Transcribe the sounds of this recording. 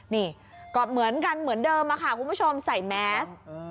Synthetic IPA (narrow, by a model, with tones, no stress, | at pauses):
niː˧˥˩ | kɔː˨˩mɯ˩˦ənka˧nmɯ˨˩˦əndɤː˧mːaː˧kʰa˧˥˩kʰu˧npʰu˥˩t͡ɕʰo˧msa˨˩jmɛː˨˦˥s